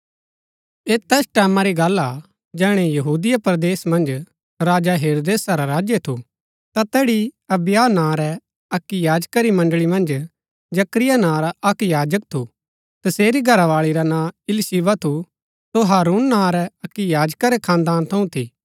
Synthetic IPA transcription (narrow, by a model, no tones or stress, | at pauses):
eːt̪ɛːsʈɛːmãɾiɡaːla | d͡ʒɛːɽ̃ɛjɐɦuːd̪ɪjapɾd̪eːsmɐ̃nd͡ʒ | ɾaːd͡ʒaɦeːɾoːd̪eːsaɾaɾaːd͡ʒjet̪ʰu | t̪at̪ɛːɽiɐbjaːnãːɾɛ | ɐkːijaːd͡ʒkaɾimɐ̃ɳɖɭimɐ̃nd͡ʒ | d͡ʒɐkɾɪjanãːɾaʔɐkjaːd͡ʒək̚t̪ʰu | t̪ɐseːɾiɡʱɐɾaʋaːɭiɾanãːɪlsiːʋat̪ʰu | soɦaːɾuːnːãːɾɛɐkːijaːd͡ʒkaɾɛkʰãːnd̪aːnt̪ʰɐũt̪ʰiː